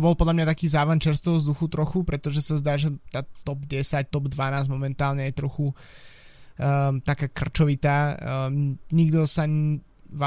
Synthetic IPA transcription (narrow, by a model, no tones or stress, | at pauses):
ɔbɔlˠpɔd̪lamɲat̪akiːzaːʋant͡ʃɛɾst̪ɛɦɔvzd̪uxut̪ɾɔxupɾɛt̪ɔʒɛsazd̪aːʒɛt̪aːt̪ɔbɟɛsac̚t̪ɔbd̪ʋanaːzmɔmɛnt̪aːlɲɛjɛt̪ɾɔxu | t̪akaːkr̩t͡ʃɔʋit̪aː | ɲiɡd̪ɔsa | ʋa